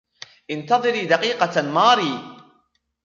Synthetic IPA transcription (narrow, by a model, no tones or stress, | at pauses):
ʔɪnt̪ɑðˤɨɾiːd̪ɑqiːqɑmɑːɾiː